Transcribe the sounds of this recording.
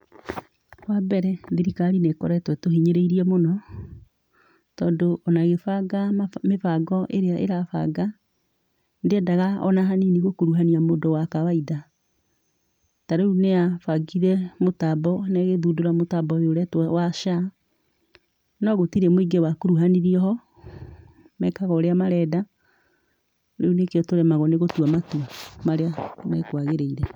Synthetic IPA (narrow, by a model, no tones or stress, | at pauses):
hwabɛɾɛðiɾikaɾinekɔ̰ɾɛtwɛtoɦiɲeɾeiɾiɛmonɔ | tɔːndoʔɔnaɣefaɡamefaɡɔʔeɾeaʔḛɾafa̰ɡa | ndeɛdaɣaɔ̰naɦaniniɣokoɾuɦaniamodɔwakawaiða | taɾeuneafaɡiɾɛmotabɔnɛɣeðudoɾamotabɔeoɾɛtwawaʃa | nɔɣotiɾɛmoiɡewakoɾuɦaniɾiɔɦɔ | mɛkaɣɔːɾeamaɾɛːda | ɾeunekeɔtoɾɛmaɣɔneɣotwamatuamaɾeanɛkwaɣeɾeiɾɛ